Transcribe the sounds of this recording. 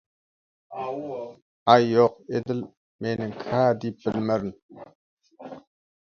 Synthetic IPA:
ɑjːoqed̪ɪl | menɪŋkʰaːd̪ip̚bɪlmeɾɪn

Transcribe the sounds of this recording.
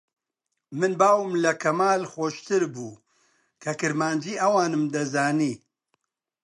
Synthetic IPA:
mɨnbaːwɨmlɐkʰɐmaːlxoːʃt̪ɨɾbuː | kʰɐkɨɾmaːnd͡ʒiːʔɐwaːnɨmd̪ɐzaːniː

